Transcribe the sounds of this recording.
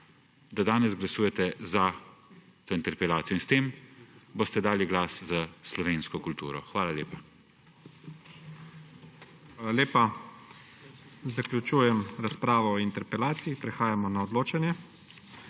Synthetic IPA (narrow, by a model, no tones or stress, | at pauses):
d̪ad̪aːnɛzɡlasuːjɛt̪ɛza | t̪oːint̪ɛɾpɛlaːt̪sijɔinst̪eːmbost̪ɛd̪aːliɡlaːszaslɔʋeːnskɔkult̪ṵːɾɔ̰xʋaːlaljeːpa | xʋaːlaleːpa | zaklʲut͡ʃuːjɛmɾaspɾaːʋɔɔint̪ɛɾpɛlaːt̪siipɾɛxaːjamɔnaɔd̪loːt͡ʃanjɛ